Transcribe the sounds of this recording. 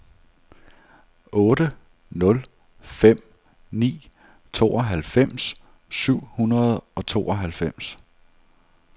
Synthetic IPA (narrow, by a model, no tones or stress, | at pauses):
ɔ̽ːɾ̥ə | nɔ̽l | fem̰ | nḭː | t͡sʰo̝̰ːɒɦælfem̰s | syʊ̰hunɐð̞ˠɒ̽t͡sʰo̝̰ːɒɦælfem̰s